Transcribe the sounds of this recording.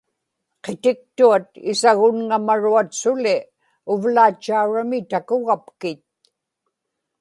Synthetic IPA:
qet̪ɪk̚t̪uat̪ɪsaɣʊnŋamaɻuat̪sʊlɪ | ʊvlaːt͡ʃːauɻamɪt̪akʊɣapkɪt̪̚

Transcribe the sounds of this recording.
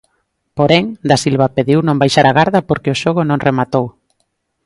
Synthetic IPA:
poɾɛŋd̪asilβapeðiwnõmbajʃaɾaɣaɾðapoɾkeoʃoɣ̞ʊnõŋremat̪ow

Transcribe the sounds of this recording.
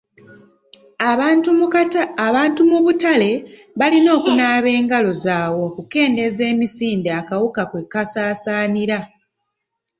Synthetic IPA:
βaːntumuβutale̞ | βalino̞ːkunaːβe̞ːŋɡalo̞zaːwo̞kuke̞ːnde̞ze̞ːmisiːndeakawukakwe̞kːasaːsaːniɾa

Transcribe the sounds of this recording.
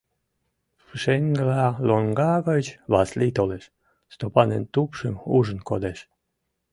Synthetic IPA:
fʃeŋɡlɑloŋɡɑɡət͡ɕβɑslʲit̪oleʃ | st̪opɑnḛnt̪upʃəmuʒə̆nkod̪eʃ

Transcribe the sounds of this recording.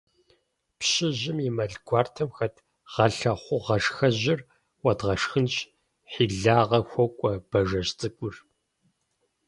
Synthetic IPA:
pɕɪʑɪmimɐɮɡʷɑːrtʰɐmxɐtʰ | ʁ̥ɐɬɐχʷʊʁɐʂxɐʑɪr | wɐdʁɐʂxɨnɕ | ħiːɮaːʁɐxʷɔkʷʼɔb̥ɐʒɐɕt͡sʼɨkʷʼʊr

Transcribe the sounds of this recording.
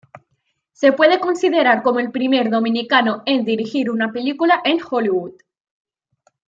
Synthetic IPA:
se̞pwe̞ð̞e̞ko̞nsið̞e̞ɾaɾko̞moe̞lpɾime̞ɾðo̞mĩnikanoe̞nd̪iɾixiɾunape̞likulaʔe̞ŋxoliwud̪

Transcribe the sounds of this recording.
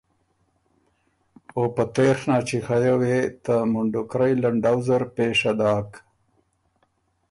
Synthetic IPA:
opət̪exnɑːt͡ʃixajawet̪əmʊɳɖʊkɾajlaɳɖawzaɾpeːʂad̪ɑːk

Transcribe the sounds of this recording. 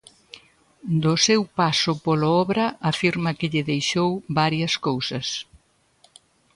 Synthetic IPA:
d̪ʊsewpasʊpolaɔβɾɐafiɾmɐkɪʎɪðejʃowβaɾjɐskowsɐs

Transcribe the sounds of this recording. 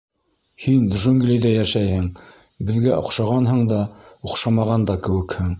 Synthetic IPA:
hinʒɵŋɡlid̪æjæʃæjhɘŋ | bɘ̆ðɡæʔŏ̰qʃɑʁɑnhɤ̆ɴd̪ɑuqʃɑmɑʁɑnd̪ɑkɘ̆wɘ̆khɘŋ

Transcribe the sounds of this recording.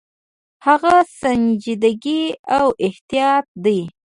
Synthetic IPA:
haɣasand͡ʒid̪aɡiawʔɪht̪ijɑt̪̚d̪əj

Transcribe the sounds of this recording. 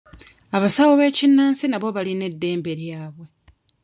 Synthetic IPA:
aβasawoβe̞ːcinːaːnsinaβo̞βaline̞dːe̞ːmbe̞ɾjaːβwe̞

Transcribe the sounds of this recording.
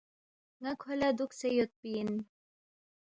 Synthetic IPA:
ŋakʰhɐlad̪ʊksɛjʊt̪̚pin

